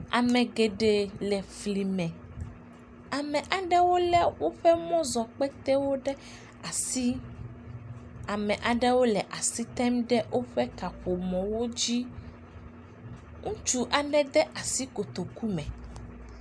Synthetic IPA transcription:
a̰˨mɛ̃˨ɡe˨ɖe˨lɛ˨fli˨mɛ̃˨ | a˨mɛ̃˨ʔa˨ɖɛ˦wo˦lɛ˦wo˦ɸɛ˦mɔ̃˦zɔ˨k͡pɛ˦t̪ɛ˦wo˦ɖɛ˦ | a˨si˦ | a˨mɛ̃˨ʔa˨ɖɛ˦wo˦lɛ˨ʔa˨si˦t̪ɛ˦mɖɛ˦wʔo˦ɸɛ˦ka˨ɸo˨mɔ̃˨wo˦d͡ʑi˦ | ŋũ˦t͡ʃu˦ʔa˨ɖɛ˦d̪ɛ˦ʔa˨si˦ko˨t̪o˨ku˦mɛ̃˨

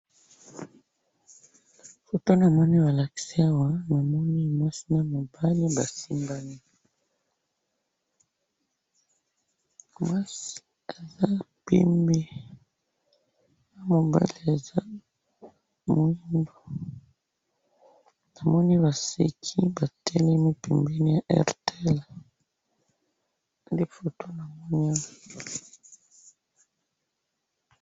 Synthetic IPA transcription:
fo˨to˦na˨mɔ˦ni˦ba˨la˨ki̥˨si˦a˦wa˦na˨mɔ˦ni˦mwa˦si˦na˦mo˨ba˦li˦ba˨si˦mba˦ni˦ | mwa˦si̥˦ | e˨za˦pɛ̰˦mbe˦ | na˦mo˨ba̰˦li˨e˨za˦ | mu˦i˦ndo˨ | na˨mɔ˦ni˦βa˨se˨kʰi˦ba˨tʰɛ˦lɛ˦mi˦pɛ˨mbe˦ni˦ja˨ʔɛ̰˨ʁtɛ˦l | nde˦fo˨to˦na˨mɔ˦ɲa˦˨

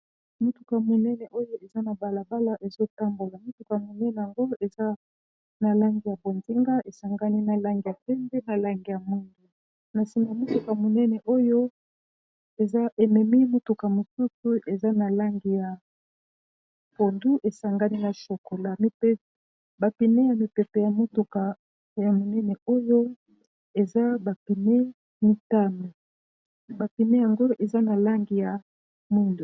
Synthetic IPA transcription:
mo˦tu˨ka˨mo˨nɛ˦nɛ˨ʔo˦jo˦e˨za˦na˨ba˨la˨ba˦la˦ʔe˨zo˦ta˦mbo˨la˨mo˦tu˨ka˨mo˨nɛ˦nɛ˨ja˨ŋɡo˦e˨za˦ | na˨la˦ŋɡi˨ja˨bo˨nzi˦ŋɡa˦ʔe˨sa˨ŋɡa˦ni˦na˨la˦ŋɡi˨ja˨pɛ˦mbɛ˦na˨la˦ŋɡi˨ja˨mu˦ndu˨ | na˨si˨ma˨mo˦tu˨ka˨mo˨nɛ˦nɛ˨ʔo˦jo˦ | e˨za˦ʔe˨mɛ˨mi˦mo˦tu˨ka˨mo˨su˦su˦e˨za˦na˨la˦ŋɡi˨ja˨ | ko˨ndu˦ʔe˨sa˨ŋɡa˦ni˦na˨ʃo˨ko˨la˦mi˨pe˦ | ba˨pi˨ne˦ja˨mi˨pɛ˨pɛ˨ja˨mo˦tu˨ka˨ | ja˨mo˨nɛ˦nɛ˨o˦jo˦ | e˨za˦ba˨pi˨ne˦ | mi˦ta˦me˨ | ba˨pi˨ne˦ja˨ŋɡo˦ʔe˨za˦na˨la˦ŋɡi˨ja˨ | mwi˦ndo˨

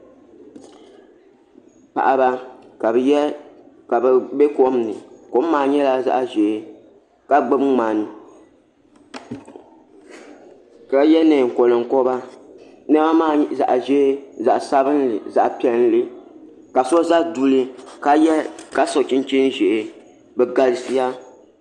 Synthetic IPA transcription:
pa̰˨ʔa˨ba˦ka˨j | ka˨bɛ˨bɛ˦ko˦m˦nɨ˨ko˨˦m̩˦maː˨ɲɛ˦la˦za̰˦ʔʒe˨˦ | ka˦ɡ͡bɛ˦bŋ˦ŋ͡maː˨nɨ˨ | ka˨jɛ˦nɛ˨ŋ̩˨ko˨lɨ˨ŋ˨kɔ˦ba˦ | nɛ˦ba˦maː˦˨za̰˨ʔa˨ʒɛ˦za˨ʔsa˦bɨ˦nlɨ˨za˨ʔpi˦ɛ˦n˦lɨ˦ | ka˨so˦za˦du˦lɨ˦ka˨jɛ˦ka˦so˨t͡ʃi˦n˦t͡ʃi˦n˦ʒɛ˨ʔe˨ | bɛ˨ɡa˨lɨ˦si˦ja˦

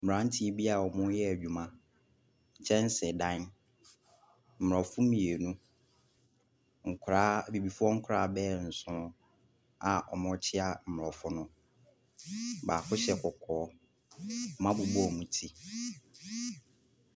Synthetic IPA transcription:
m̩˨ɾã˨˦n̩˦tʰi˦ɛ˦bi˦a˨ɔ˨mʊ̃˦jɛ˦æ˨d͡ʑᶣu˨mã˦ | ɲ̩˨t͡ɕʰɛ̃˦n̩˦sɪ˨dã˦n | m̩˨m˨ɾɔ˨fʊ˦mĩ˨e˨nũ˦ | ŋ̩˨kʰʊ˨ɾaː˦bi˨bi˨fʊ˦ɔ˦ŋ̩˦kʰʊ˦ɾaː˨bɛː˦˨n̩˨sʊ̃˦ | a˨ʔɔ̰˨mʊ̃˦t͡ɕʰɪ˦a˦m̩˨m˨ɾɔ˨fʊ˦nʊ̃˦ | baː˨kʰʊ˦ɕɛ˦kʰɔ˨kʰɔː˨˦ | mã˦bʊ˨bɔ˦˨mũ˦tʰi˦

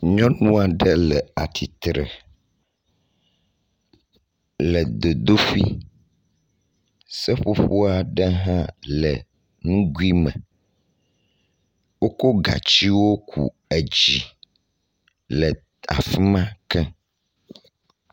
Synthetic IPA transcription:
ɲɔ̃˦nũ˦a˨ɖə˦lɛ˨a˨t̪ʰi˨t̪ɾɛ̰˨ | lɛ˨d̪o˨d̪o˦fi˦ | sɛ˦ɸu˦ɸu˦a˨ɖɛ˦ɦã˦lɛ˨ | nũ˦ɡu˦i˦mɛ̰̃˨ | wo˦ko˦ɡa̰˨t͡ɕi˦wo˦kʰṵ˨ | e˨d͡ʑi˨ | lɛ˨ | a̰˨fi˦mã˦kɛ˦

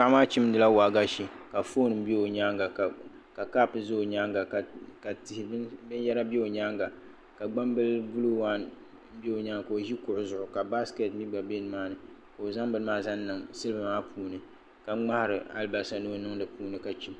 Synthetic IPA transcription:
ka˦˨˦maː˦t͡ʃi˦m̩dɨ˦la˦waː˨ɡa˦ʃi˨ka˨fo˦nɨ˨m̩˦be˦o˨ɲa˦ŋɡa˨ | ka˨kaː˦pɨ˨zo˦˨ɲa˦ŋɡa˨kka˨tɪ˨hɪ˨bbɨ˦njɛ˦ɾa˦be˦o˨ɲa˦ŋɡa˨ | ka˨ɡ͡ba˦mbɨ˦lbu˦lu˦wa˦n | m̩˦bi˦o˨ɲa˦ŋ˨ko˨ʒi˦kʊ˨ʔʊ˨zʊ˨ʔʊ˨ka˨ba˦ske˨tmi˦ɡ͡ba˨be˦n˨maː˦nɨ˨ | ka˨o˨za˦mbɨ˦n˦maː˦za˦n˦nɨ˨ŋsɨ˦lba˨maː˦pʰuː˨nɨ˨ | ka˨˦ŋ͡ma˦hɾɨ˨a̰˦lba˨sa˨no˦nɨ˦ŋdɨ˨puː˦nɨ˨ka˨t͡ʃi˦m

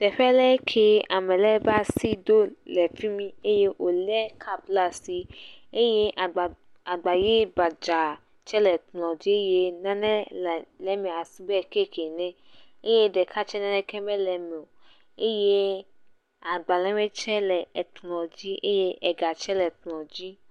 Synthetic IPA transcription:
d̥ɛ˨ɸɛ˦lɛ˦kʰe˨a˨mɛ̃˨lɛ˦ba˦si˦do˦lɛ˨fi˦mĩ˦e˦je˦ʔo˨lɛ˦kʰa˦˨bla˦˨si˦e˦je˦ʔ | a˨ɡ͡ba˨je˦ba˨d͡ʒa˨ | t͡ʃɛ˦lɛ˨tlɔ̃˨d͡ʒi˦e˦je˦nã˦nɛ̃˦˨lɛ˦mĩ˨a˨si˦bɛ˦˨ke˦˨kʰe˨nɛ̃˦e˦je˦dɛ˨kʰa˦t͡ʃɛ˦nã˦nɛ̃˦kɛ˦mɛ̃˦lɛ˨m˨o˨ | e˦je˦ | a˨ɡ͡ba˨lɛ̃˦mɛ̃˦t͡ʃɛ˦lɛ˨ɛ˨tlɔ̃˨d͡ʒi˦ʔe˦je˦ʔɛ˨ɡa˨t͡ʃɛ˦lɛ˨tlɔ̃˨d͡ʒi˦

